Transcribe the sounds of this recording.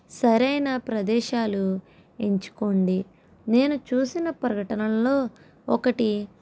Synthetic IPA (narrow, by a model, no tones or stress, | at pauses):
sɐɾɐjnaːpɾɐd̪ɛːʃaːlu | e̞ɲt͡ʃu̥ko̞ɳɖi | ne̞ːnut͡ʃuːsinɐpɾɐɡɐʈɐnɐmlo̞ː | ɔkɐʈi